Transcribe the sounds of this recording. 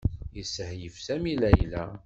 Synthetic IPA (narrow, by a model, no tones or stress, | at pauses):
jəsəhjəfsæmilæjlæ